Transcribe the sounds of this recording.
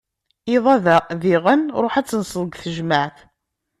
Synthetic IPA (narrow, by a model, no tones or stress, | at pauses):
iðˤæðæðiʁænɾˤoħæt͡sːənsˤəðˤɡθəʒmaʕθ